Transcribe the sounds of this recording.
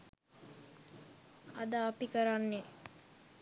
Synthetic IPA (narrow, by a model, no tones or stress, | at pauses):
ad̪əːpikəɾanːe